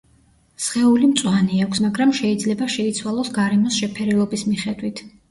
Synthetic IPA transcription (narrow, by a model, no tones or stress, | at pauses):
sχɛulimt̪sʼwaniakʷʰsmaɡɾamʃɛid̪zlɛbaʃɛit̪sʰwalˠɔsɡaɾɛmɔsʃɛpʰɛɾɛlˠɔbismiχɛd̪wit̪ʰ